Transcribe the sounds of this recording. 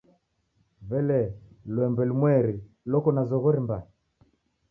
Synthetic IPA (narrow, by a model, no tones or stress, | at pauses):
vɛlɛlwɛmbɛlimwɛɾi | lɔkɔnazɔɣɔɾimbaɛ